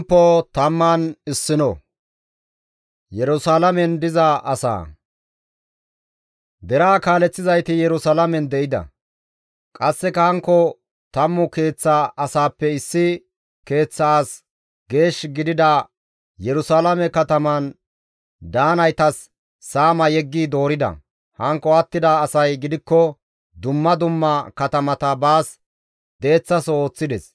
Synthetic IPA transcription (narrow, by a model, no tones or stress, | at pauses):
pːot̪ɐmːanɪsːɪnɔ | jɛɾʊsaːlɐmɛnd̪ɪzɐʔɐsa̰ː | d̪ɛɾaːkaːlɛt͡sːɪzɐjt̪ɪjɛɾʊsalɐmɛnd̪ɛʔɪd̪ɐ̰ | kʼɐsːɛkɐhɐŋkːɔ | t̪ɐmːʊke̞ːt͡sːaɐsaːpːɛɪsːɪ | ke̞ːt͡sːɐaːs | ɡe̞ːʃɡɪd̪ɪd̪ɐ | jɛɾʊsalɐmɛkɐt̪ɐmɐn | d̪aːnɐjt̪ɐsː | aːmɐjɛɡːiːd̪o̞ːɾɪd̪ɐ̰ | hɐŋkːɔɐt̪ːɪd̪ɐːsɐjɡɪd̪ɪkːɔ | d̪ʊmːɐd̪ʊmːɐkɐt̪ɐmɐt̪ɐbaːs | d̪e̞ːt͡sːɐsɔo̞ːt͡sːɪd̪ɛs